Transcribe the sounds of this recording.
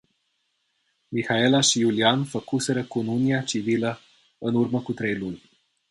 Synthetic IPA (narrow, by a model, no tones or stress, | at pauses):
mixaelaʃijulianfəkuse̞ɾəkonuniat͡ʃivilə | ɨnurməkut̪ɾejlunʲ